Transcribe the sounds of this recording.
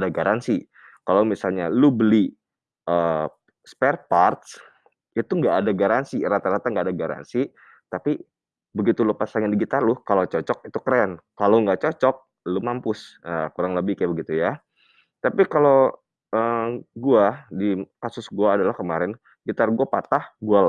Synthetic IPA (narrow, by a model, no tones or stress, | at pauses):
adaɡaɾansi | kalawmisalɲalubəli | ʔə | spɛrpart̪s | it̪uŋɡaʔːdaɡaɾansiɾat̪aɾat̪aŋɡaːdaɡaɾa̰nsi | t̪api | bəɡit̪ulʊpasaŋandiɡit̪arlʊhkalot͡ʃɔt͡ʃɔk̚it̪ukəɾɛnkalowŋɡaʔt͡ʃɔt͡ʃɔk̚ | lumampʊsakuɾaŋləbɪhkjɛbəɡit̪uja | t̪apikalow | əːɡuadikasʊsɡuaːdalahkəmaɾɪn | ɡit̪arɡuapat̪ahɡual